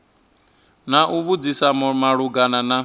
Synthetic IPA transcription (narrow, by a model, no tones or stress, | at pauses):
naʔuβud͡zisamaɺuɡanana